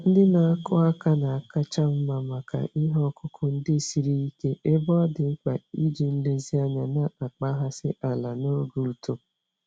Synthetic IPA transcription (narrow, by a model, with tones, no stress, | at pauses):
n̩˦dɪ˦na˨a˦kʊ˦a˦ka˦na˨a˨ka˦t͡ʃa˦m̩˦ma˨ma˨kʰa̰˨ʔi˦ɦɔ˦kʰʊ˦kʰʊ˦n̩˦dɪ˦˨si˨ɾi˦i˦ke˦e˦bɔ˦dɪ˨˦k͡pa˨i˦d͡ʒi˨n̩˦le˦zi˦a˦ɲa˨na˦a˨k͡pa˦ɦa˦sɪ˦ʔa˨la˨no˦ɡu˦lto˨